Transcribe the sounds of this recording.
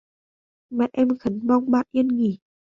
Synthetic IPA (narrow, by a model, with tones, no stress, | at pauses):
mɛ˨˧˦ʔɛ˧˥mkʰə˨˦nmɔ˧ŋbaː˧˩˨ʔi˧ənŋi˨˩˦